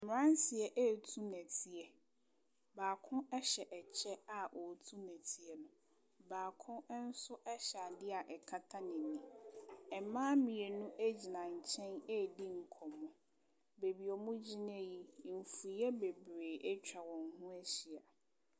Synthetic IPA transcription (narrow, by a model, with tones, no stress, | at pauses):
m˨ɾã˦n˦si˨ɛ˨ʔe˦˨tʰu˦næ̃˨tʰi˨ɛ˨ | baː˨kʰʊ̃˦ɛ˦ɕɛ˨ʔɛ˨t͡ɕʰɛ˦a˨ʔɔ˨tʰu˦næ̃˨tʰi˨ɛ˨nʊ̃˨ | baː˨kʰʊ̃˦n̩˦sʊ˦ʔɛ˦ɕɛ˨a˨dɪ˦a˨ʔɛ˨kʰa˦tʰa˦nɪ̃˨nĩ˨ɛ˨mãː˦mĩ˨ɛ˨nʊ̃˦ʔe˦d͡ʑi˨nã˨ɲ̩˨t͡ɕʰɛ̃˦nɛ˦˨di˦ŋ̩˨kʰɔ̃˨mʊ̃˦ | be˨bi˨ɔ˨mʊ̃˦d͡ʑi˦nɛ̃˦ji˦˨fu˨˦ɛ˦be˨bɾeː˨ʔɛ˦t͡ɕᶣa˨wɔ̃˨ŋ̩˦hʊ̃˦æ˦ɕi˨a˨